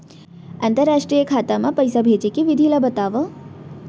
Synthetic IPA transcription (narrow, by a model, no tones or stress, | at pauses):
ɐnt̪əɾːaːʂʈɾijəkʰaːt̪amɐpɐjsabʱeːt͡ʃekiʋid̪ʱilɐbɐt̪aːʋə